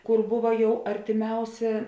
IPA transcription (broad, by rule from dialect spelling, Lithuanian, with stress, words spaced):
ˈkʊr ˈbʊʋɐ ˈjɛʊ ɐrʲtʲɪˈmʲɛʊsʲeː